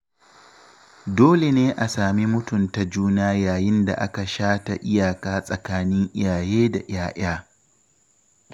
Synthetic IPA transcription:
doː˦le˨neː˦ʔa˨saː˨mi˦mʊ˦tʊ˨nta˨d͡ʒuː˦naː˦jaː˨jɪ˦nda̰˨ʔa˦ka˨ʃaː˦ta˨ʔɪ˦jaː˨kaː˦sʼɐ˨kaː˦nɪ˦ŋʔɪ̰˦aː˨jeː˦da˨j̰aː˦ʔaː˦

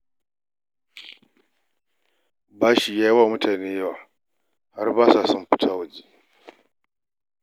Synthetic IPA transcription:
baː˦ʃi˨jaː˦ji˦wa˦˨mʊ˦tʰaː˨neː˦ja˦waː˨ | ha˦rbaː˦sa˨sʊ˦mɸɪ̥˦tʰa˦wɐ˨d͡ʒiː˦˨

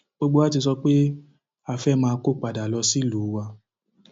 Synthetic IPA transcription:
o˧ɡ͡bo˧˦a˦ti˧s̬ɔ˧k͡pe˦ | a˨fɛ˦˨mãː˧ko˦k͡pa˨da˨lɔ˧si˦luː˨˦wa˧

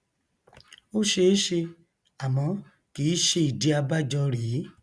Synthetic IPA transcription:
o˦ʃe˧˦ʃe˧ | a˨mɔ̃˨˧˦ | ki˨˦ʃe˧i˨di˨˦a˧ba˦d͡ʒɔ˧ɾi˨˦

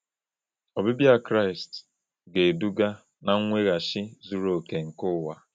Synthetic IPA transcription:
ɔ˨bɪ˦bja˦kɾa˦ɪ˨st | ɡe˨du˦ɡa˦ | na˦ŋ˦ŋʷe˦ɣa˨ʃɪ˦zu˦ɾo˨ke˨ŋ̩˨kʊ˦wa˦

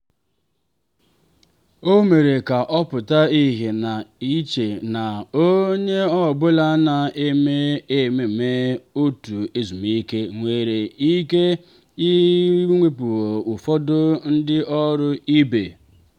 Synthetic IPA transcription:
o˦me˨ɾe˨ka˨ʔɔ˦pʊ˨ta˦i˦ɦi˨na˨i˦t͡ʃe˨na˨o˦ɲe˦ɔ˦˨bʊ˦la˦na˨e˦me˦e˦˨me˨me˦o˦tu˨e˦zu˨m˨i˦ke˦ŋʷe˦ɾe˨i˦ke˦ | i˦ŋʷe˦pu˨wo˨u˨fɔ˦dʊ˦n̩˦dɪ˦ʔɔ˦ɾʊ˦i˦be˨

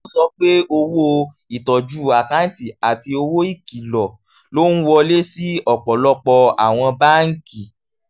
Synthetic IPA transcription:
sɔ˦k͡pe˦o˧wo˦ | i˨tɔ˨d͡ʒu˦˨a˨ka˦n̩˦ti˨a˨ti˧o˧wo˦i˦˨ki˨lɔ˨ | lo˦ñ̩˦wɔ˧le˦si˦ɔ˨k͡pɔ˨lɔ˦k͡pɔ˧a˨w̃ɔ̃˧ba˦ŋ̩˦ki˨

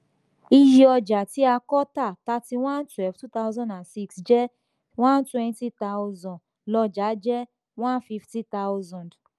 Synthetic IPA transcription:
i˧ji˧ɔ˧d͡ʒa˨ti˨˦a˧kɔ˦ta˦˨ta˦ti˧w̃ã˦ntwɛ˦lftu˦ta˦wzɔ̃˦dã˨nsi˧ksd͡ʒɛ˦ | w̃ã˦n˦twɛ̃˧nti˦ta˦u˧zɔ̃˨ | lɔ˧d͡ʒa˨˦d͡ʒɛ˦ | w̃ã˦n˦fi˧fti˦ta˦wzɔ̃˨nd

